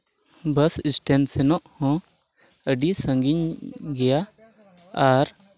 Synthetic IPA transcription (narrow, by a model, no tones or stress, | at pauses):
bəsisʈensenɔʔhɔ̃ | əɖisə̃ŋɡiɲɡɛjaː | ɾ